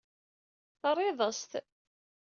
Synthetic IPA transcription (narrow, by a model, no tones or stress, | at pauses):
θərˤɪðˤəst̪